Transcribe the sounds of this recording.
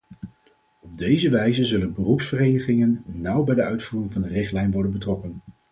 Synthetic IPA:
ɔb̚dejzəʋɛjzəzɵlənbərupsfərejnəχɪŋənːʌwbɛjdəœɥtfuːrɪŋvɑndərɪχtlɛjnʋɔɹdənbətrɔkən

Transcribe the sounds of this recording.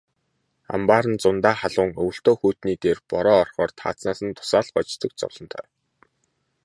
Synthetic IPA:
a̰mpaːɾə̆nt͡sʊnt̪aːχaɮʊːŋɵw̆ɬt̪oːxuːt̪niːt̪eːrpɔɾɔːɔrχɔːrt̪ʰa̰ːt͡snaːsə̆nt̪ʰʊ̥saːɮχɔt͡ɕt̪t͡s̪ə̆k̚t͡sɔ̰wɮ̥ɞ̆nt̪ʰœ̰ː

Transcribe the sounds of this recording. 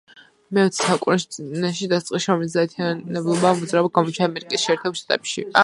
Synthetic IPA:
mɛɔt̪ssakʼuɾɛʃnɛʃid̪ast̪ʼqʼisʃɾɔmɛlis̬zd̪at̪ʰianɛblˠɔbaːmud̪zɾaɔb̪̚ɡamɔt͡ʃ̪ʰaːmɛɾikʼisʃɛːɾt̪ʰɛblˠʃt̪ʼat̪ʼɛpʃḭ

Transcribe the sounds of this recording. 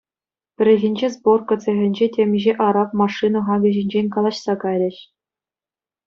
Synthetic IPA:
pʲɘ̆ɾʲɘ̆ɣʲĭnʲd͡ʑezborkɤ̆t͡sʲĕɣʲɘ̆nʲd͡ʑetʲemʲʑeʔɑɾɑpmɑʂɨnɤ̆χɑɡʲɤ̆ʑinʲd͡ʑenʲkɑlˠɑɕsɑkɑjɾʲɘ̆ɕ

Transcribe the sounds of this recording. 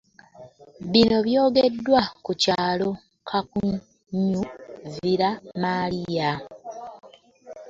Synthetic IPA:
βino̞βjo̞ːɡe̞dːwakucaːlo̞ | kʰaku | ɲːuviɾamalija

